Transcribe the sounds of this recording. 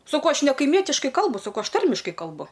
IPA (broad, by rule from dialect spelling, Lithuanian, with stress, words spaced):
sɐˈkɐʊ ˈɐʃ nʲɛkɐɪˈmʲiɛtʲɪʃkɐɪ ˈkɐlˠbʊ sɐˈkɐʊ ˈɐʃ ˈtɐrʲmʲɪʃkɐɪ kɐlˠˈbʊ